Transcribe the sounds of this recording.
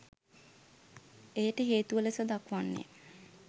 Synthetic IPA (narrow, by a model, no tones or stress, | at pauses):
ejəʈəɦeːt̪uʋəlesəd̪akʋanːḛ